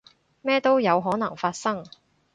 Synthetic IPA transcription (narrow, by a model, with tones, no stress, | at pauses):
mɛː˥t̪o˥wjɐ˨˧wɦɔː˨˥nɐ˨˩ŋfaː˧t̚sɐ˥ŋ